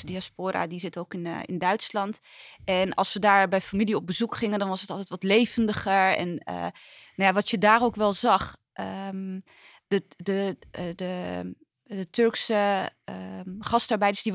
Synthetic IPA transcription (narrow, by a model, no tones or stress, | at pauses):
diaspoːɾa̰dizɪtoːkɪnɪ̰ndœɥtslɑntɛnɑ̰lˠsʋədaːɹbɛjfamiliop̚bəzukχɪŋəndɔnʋɔsətɔlˠtɛjtʋɔtleːvəndəχəɹɛ̰nə̰nɔjaʋɔtjədaːroːkʋɛlˠzɑχ | ʔə | ədədə | ətʰørksəəχɑstaɹbɛjdəsdi